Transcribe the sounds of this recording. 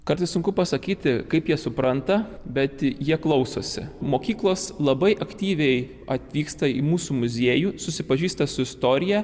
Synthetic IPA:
kɐɾt̪ɐɪssʊŋkʊpɐsɐkʲiːt̪ʲɪkɐɪpjiɛsʊpɾɐnt̪ɐbʲɛt̪jiɛklˠɐʊso̰ːsʲɪ̰moːkʲiːklˠoːslˠɐbɐɪʔɐkt̪ʲiːʋʲɛɪ | ɐt̪ʲʋʲiːkst̪ɐɪmuːsuːmʊzʲiːjusʊsʲɪpɐʒʲiːst̪ɐsʊɪst̪oːɾʲɪjæ

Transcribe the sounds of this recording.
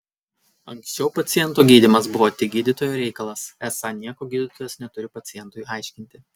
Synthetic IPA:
ɐŋʲksʲt͡ʃʲɛʊpɐt̪sʲɪjɛnˑt̪uːɡʲiːd̪ʲɪmɐsbʊʋoːt̪ʲɪɡʲiːd̪ʲɪt̪oːjoːɾʲɛɪkɐlˠɐsɛsɑnʲiɛkoːɡʲiːd̪ʲɪt̪oːjɛsnʲɛt̪ʊɾʲɪpɐt̪sʲɪjɛnt̪ʊjɑˑɪʃʲkʲɪnʲt̪ʲɪ

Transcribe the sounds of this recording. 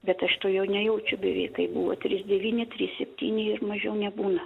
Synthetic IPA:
bʲɛt̪ɐʃt̪oːjɛʊnʲɛjɛʊt͡ʃʲʊbʲɛʋʲɛ̰ɪkɐɪbuːʋo̰t̪ʲɾʲisd̪ʲɛʋʲiːnʲɪt̪ʲɾʲiːssʲɛpʲt̪ʲiːnʲɪɪrmɐʒʲɛʊnʲɛbuːnɐ

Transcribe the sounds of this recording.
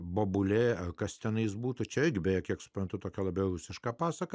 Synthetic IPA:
boːbʊlʲeːɐkɐst̪ʲɛnɐɪsbuːt̪ʊt͡ʃʲɛɪrɡʲɪbʲɛjɛkʲiɛksʊ̥pɾɐnt̪ʊt̪oːkʲɛlˠɐbʲɛʊrʊsʲɪʃkɑːpɑːsɐkɐ

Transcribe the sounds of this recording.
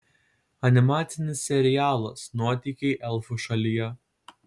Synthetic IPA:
ɐnʲɪmɑːt̪sʲɪnʲɪsːʲɛɾʲɪjæːlˠɐsnuɔt̪ʲikʲɛɪʔɛlˠfʊʃɐlʲijɛ

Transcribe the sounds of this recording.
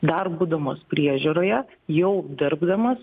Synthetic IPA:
d̪ɐrbuːd̪ɐmoːspʲɾʲiɛʒʲuɾoːjɛ | jɛʊd̪ʲɪɾbd̪ɐmɐs

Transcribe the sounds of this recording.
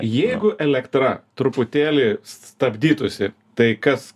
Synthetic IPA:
jɛɪɡʊʔɛlʲɛkt̪ɾɐt̪ɾʊpʊt̪ʲeːlʲɪsst̪ɐbʲd̪ʲiːt̪ʊsʲɪ | t̪ɐɪkɐs

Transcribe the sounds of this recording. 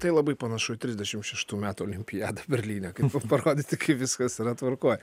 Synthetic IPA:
t̪ɐɪlˠɐbɐɪpɐnɐʃʊɪt̪ʲɾʲɪzʲd̪ʲɛʃʲɪmʃʲɛʃt̪uːmʲæːt̪uolʲɪmʲpʲɪjæːd̪ɐbʲɛɾʲlʲiːnʲɛkɐɪɐpɐɾoːd̪ʲɪt̪ʲɪkʰɐɪʋʲɪskɐsiɾɐt̪ʋɐɾkoːjɛ

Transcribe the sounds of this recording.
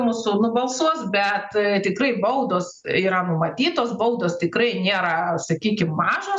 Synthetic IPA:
muːsʊnʊbɐlˠsuɔsbʲɛt̪t̪ʲɪkrɐɪbɐʊd̪oːsiːɾɐnʊmɐt̪ʲiːt̪oːsbɐʊd̪oːst̪ʲɪkrɐɪnʲeːɾɐsɐkʲiːkʲɪmːɑːʒoː

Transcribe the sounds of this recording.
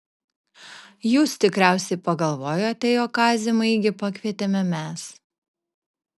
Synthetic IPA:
juːst̪ʲɪkɾʲæˑʊsʲɛɪpɐɡɐlˠʋoːjoːɐt̪ʲɛjoːkɑːzʲɪmɐɪɡʲɪpɐkʲʋʲiɛt̪ʲemʲɛmʲɛs

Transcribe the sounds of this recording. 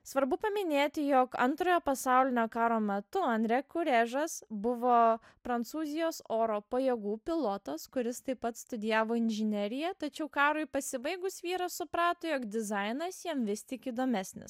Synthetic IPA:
sʋɐɾbʊpɐmʲɪnʲeːt̪ʲɪjoːkɐ̰nt̪ɾoːjoːpɐsɑˑʊlʲɪnʲoːkɑːɾoːmʲɛt̪ʊɐnʲd̪ʲɾʲɛkʊɾʲɛʒɐsbʊʋoː | pɾɐnt̪suːzʲɪjoːsoːɾoːpɐjɛɡuːpʲɪlˠoːt̪ɐskʊɾʲɪst̪ɐɪppːɐt̪st̪ʊd̪ʲɪjæːʋoːɪnʲʒʲɪnʲɛɾʲɪjɛt̪ɐt͡ʃʲɛʊkɑːɾʊɪpɐsʲɪbɐɪɡʊsʋʲiːɾɐssʊpɾɑːt̪oːjoːkd̪ʲɪzɐɪnɐsjiɛmʋʲɪst̪ʲɪkiːd̪oːmʲæsʲnʲɪ̰s

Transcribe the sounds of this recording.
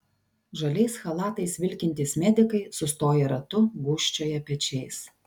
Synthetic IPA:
ʒɐlʲɛɪsxɐlˠɑːt̪ɐɪsʋʲɪlʲkʲɪnʲt̪ʲɪsmʲæd̪ʲɪkɐɪsʊst̪oːjɛɾɐt̪ʊɡʊʃʲt͡ʃʲoːjɛpʲɛt͡ʃʲɛɪs

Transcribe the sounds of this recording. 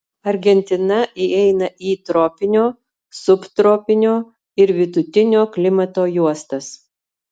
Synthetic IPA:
ɐɾʲɡʲɛnʲt̪ʲɪnɐʔiɛɪnɐʔiːt̪ɾoːpʲɪnʲoː | sʊpt̪ɾoːpʲɪnʲoː | ɪɾʋʲɪd̪ʊt̪ʲɪnʲoːklʲɪmɐt̪oːjuɔst̪ɐs

